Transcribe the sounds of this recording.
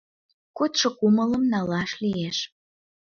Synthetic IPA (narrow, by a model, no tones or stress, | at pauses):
kot̪ʃŏkumələmnɑlɑʃlieʃ